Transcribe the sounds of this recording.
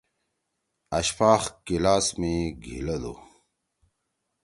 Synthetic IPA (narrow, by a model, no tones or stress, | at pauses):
ɐɕpaːxkilaːsmeɡʱḭlɐd̪o̰